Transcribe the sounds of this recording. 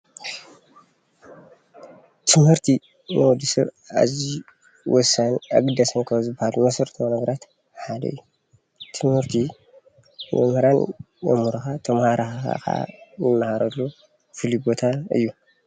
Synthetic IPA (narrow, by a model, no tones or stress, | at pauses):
t̪ʰɨmhɨɾt̪ʰi | mɐwɔd̪isɐβ | a̰zi | wɔsanaɡɨd̪ɐsɐnkʰɐzɨbːahalumɐsɐɾt̪ʰonɐɡɐɾat̪ | ħad̪ɐ̰ɨjːu | t̪ʰɨmhɨɾt̪ʰi | mɛ̰mhɨɾan | jɐ̰mhuɾɐxat̪ʰɐmhaɾʔaxaa̰ka̰jɨnːahaɾɐlːu | fɨlibo̞t̪ʰaɨ̰jːu